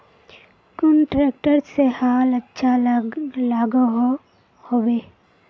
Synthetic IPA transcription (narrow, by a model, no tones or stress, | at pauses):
kʊnʈɾeːk̚ʈəɾsehaːlətːʃʰa | laːɡoɦ | hobeː